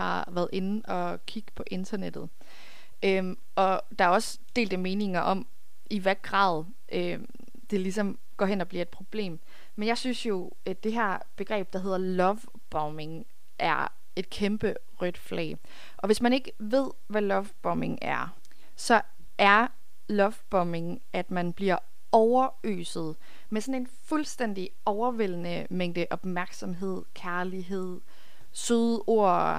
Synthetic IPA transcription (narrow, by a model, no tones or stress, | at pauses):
ɑ̈ʋæɐð̩ˠe̝nn̩ɒ̽ | kʰiɡ̥ə̥pʰɒ̽ʔe̝nd̥ɐned̥ð̩ˠ | ø | ʔɒ̽d̥ɑ̈æɐɒ̽s | d̥e̝̰ːld̥əme̝ːne̝ŋɐʔɒ̽m | iʋæɐ̰ɡ̥ʁɑ̰̈ːðˠ | ʔø | d̥e̝lisɒ̽m | ɡ̥ɒ̰ːɦenɒ̽b̥liɐe̝d̥pʰʁo̝b̥le̝̰ːm | menjɑ̈ɪsynsjo̝ | d̥e̝ɦæɐ̰ | b̥e̝ɡ̥ʁɛ̰ːb̥̚d̥ɑ̈ɦe̝ð̰ˠɐlɒʋ | b̥ɒme̝ŋ | ʔæɐ̰ | e̝d̥̚kʰemb̥ə | ʁœd̥flɛ̰ː | ʔɒ̽ʋe̝smæne̝ɡ̥əʋe̝ð̞̰ˠʋælɒ̽ʋb̥ɒ̽me̝ŋæɐ | sɒ̽ | ʔæɐ | lɒ̽ʋb̥ɒme̝ŋ | ʔæd̥mænb̥liɐ | ɒʊɐ | ø̰ːsð̩ˠ | mesɔ̽ne̝nfulsd̥en̰d̥i | ɒʊɐʋel̰nə | meŋ̰d̥əʔɒ̽b̥mæɐɡ̥sɒ̽mɦe̝ð̞̰ˠkʰæɐliɦe̝ð̰ˠ | søðˠo̝ɐ̰